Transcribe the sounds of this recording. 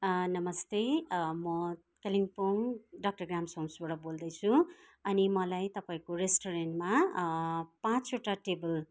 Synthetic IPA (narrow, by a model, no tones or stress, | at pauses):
nʌmʌst̪emʌ | keliŋpoŋɖʌk̚ʈʌɡamsomsbaɽʌbold̪ʌjt͡sʰu | ʌnimʌlajt̪ʌpaĩkoɾesʈoɾenʈma | pãt͡suʈaʈebʌl